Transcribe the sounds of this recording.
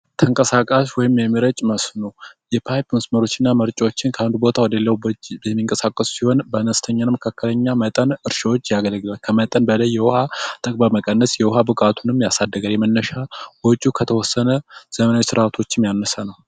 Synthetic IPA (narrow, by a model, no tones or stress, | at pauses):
t̪ʰəŋkʼəsakʼaswɔjɪmjɛmɨɾət͡ʃʼməsnojɛpʰajpməsməɾo̞t͡ʃːɪnːaməɾt͡ʃʼwot͡ʃːɪnkʰəand̪ubo̞t̪ʰawɔd̪əelːəwbəd͡ʒjɛmːiŋkʼəsakʼːəssiho̞nbənəst̪ʰəɲːanməkʰakːələɲːamət̪ʼənɨɾʃawot͡ʃːjaɡələɡlalkʰəmət̪ʼənbələjːɛwʊhat̪ʼəkʼbəməkʼənːəsjɛwʊhabɨkʼat̪ʰunɨmːjasad̪ːəɡəaljɛmənːəʃawɔt͡ʃʼukʰət̪ʰəwɔsːənəz̥əmənawot͡ʃsɨɾat̪ʰo̞t͡ʃːɪmjanːəsanəw